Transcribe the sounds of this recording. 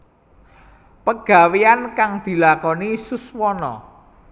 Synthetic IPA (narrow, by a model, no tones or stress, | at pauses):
pəɡ̥a̤weankaŋd̪̥i̤lakɔnisuswɔnɔ̰